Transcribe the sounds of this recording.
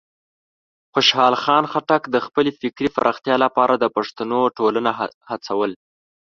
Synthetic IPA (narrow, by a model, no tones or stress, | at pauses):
xʊʃhɑlxɑnxaʈakd̪əxpəlefɪkɾifa̰ɾʔəxt̪jɑlapɑɾʔad̪əpaʂt̪anoʈolanahat͡sawəl